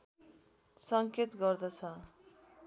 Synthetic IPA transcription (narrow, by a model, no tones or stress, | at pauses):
sʌŋket̪ɡʌrd̪ʌt͡sʰʌ